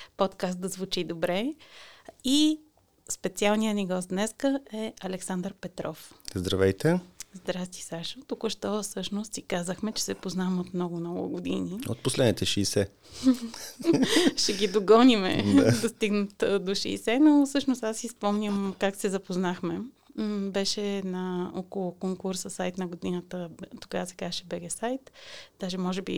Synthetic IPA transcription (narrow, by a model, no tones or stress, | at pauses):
pɔt̪kast̪̚d̪ɐzvut͡ʃid̪obɾɛ | i | spɛt̪sialˠnijəniɡɔst̪d̪nɛskəɛɐlɛksand̪ɾpɛt̪ɾɔfzd̪ɾɐvɛjt̪ɛzd̪ɾast̪i̥saʃot̪ukʊʃt̪ɔsɤʃnost̪sikazəxmɛt͡ʃɛ̥sɛpoznamot̪mnɔɡʊmnɔɡʊ̰ɡʊd̪inio̰t̪̚poslɛd̪nit̪ɛʃɛsɛ | ʃɛɡid̪oɡɔnimɛ̰d̪d̪ɐstt̪iɡnət̪d̪oʃɛ̰isɛnosɤʃnost̪asːispɔmnʲəmkaksɛzɐpoznaxmɛ | bɛʃɛnɐɔkolˠʊkoŋkuɾsəsajt̪nɐɡod̪inət̪ət̪o̥ɡavsɛ̥kaɛʃɛbɛɡɛsajt̪d̪̥aʒɛmɔʒɛbḭ